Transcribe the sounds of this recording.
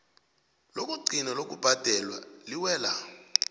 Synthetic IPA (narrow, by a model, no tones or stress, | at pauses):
lok̬ʼuɡ͡ǀʱinɛlok̬ʼub̥ʱad̥ʱɛlwa̰liwɛːla